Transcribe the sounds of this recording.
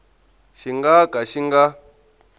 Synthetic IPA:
ʃiŋɡakʼaʃiŋɡa

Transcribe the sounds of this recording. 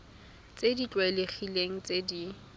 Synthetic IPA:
t͡sʼedit͡ɬʼwaeleχileŋ̩t͡sedi

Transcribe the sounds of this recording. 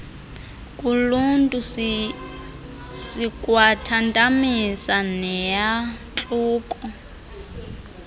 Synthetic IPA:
kʼuluntʼu | sikʼwatʰantʼamisanɛjat͡ɬʼuːkʼɔ

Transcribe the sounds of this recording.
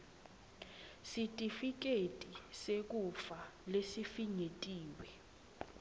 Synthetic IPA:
sitʼifik̬ʼetʼisek̬ʼufalesifiŋetʼiːwɛ

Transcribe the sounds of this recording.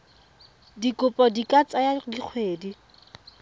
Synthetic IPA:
dikʼʊpʼɔdikʼat͡sʼajadiq͡χʰweːdi

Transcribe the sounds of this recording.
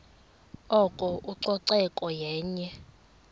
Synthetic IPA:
ɔkʼɔʔuǀɔǀɛkʼɔjɛːɲɛ

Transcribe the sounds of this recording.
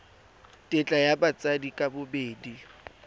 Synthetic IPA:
tʼɪt͡ɬʼajabat͡sʼadikʼabʊbeːdi

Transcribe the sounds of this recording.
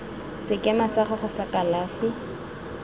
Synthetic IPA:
sɪkʼɛmasaχʊχʊsakʼalaːfɪ

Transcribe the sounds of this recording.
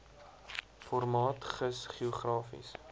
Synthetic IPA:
fɔrmɑːtχəsχiɔχrɑːfḭs

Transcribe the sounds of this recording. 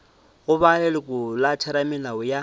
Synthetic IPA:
ɣʊbaɛlɪkʼʊlat͡ʃʰɛɾamɪlaʊja

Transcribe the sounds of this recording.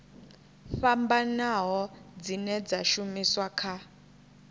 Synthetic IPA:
fambanaɦɔd͡zinɛd͡zaʃumiswakʰa

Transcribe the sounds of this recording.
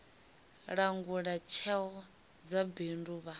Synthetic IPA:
ɺaŋɡuɺat͡ʃʰɛwɔ | d͡zabenduːβa

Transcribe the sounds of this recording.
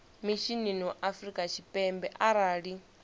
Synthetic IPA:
miʃininiɔʔafrikʼat͡ʃʰipʼɛmbɛʔaɾaːɺi

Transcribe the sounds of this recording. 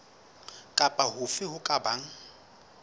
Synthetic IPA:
kʼapʼaɦʊfɪɦʊkʼabaŋ̩

